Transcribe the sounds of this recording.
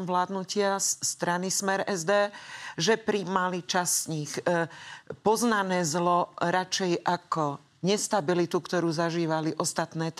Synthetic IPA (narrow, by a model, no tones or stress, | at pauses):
mvlaːd̪nucɪasːt̪ɾanismɛɾɛzd̪ɛːʒɛpɾimalit͡ʃasɲix | pɔznanɛːzlɔɾat͡ʃɛjʔakɔ | ɲɛst̪abilit̪ukt̪ɔɾuːzaʒiːʋaliʔɔst̪at̪nɛːt̪